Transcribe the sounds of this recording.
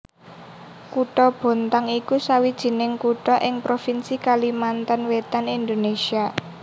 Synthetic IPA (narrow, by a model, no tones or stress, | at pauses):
kuʈɔb̥o̤nt̪aŋikusawid̥ʒ̥i̤nɪŋkuʈɔʔɪŋpɾofinsikalimant̪ənwet̪anind̪onesia